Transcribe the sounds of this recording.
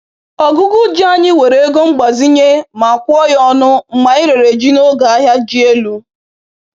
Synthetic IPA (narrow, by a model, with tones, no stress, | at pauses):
ɔ˨ɡʊ˦ɡʊ˦d͡ʒi˦a˦ɲɪ˦we˨ɾe˦ɡo˦ŋ͡m̩˦ɡ͡ba˨zi˦ɲe˦ma˨kʷʊ˦ɔ˦jɔ˦nʊ˦m̩˨ma˨ɪ˦ɾe˨ɾe˨d͡ʒi˦no˦ɡa˨a˦ɦja˦d͡ʒi˦e˦lu˦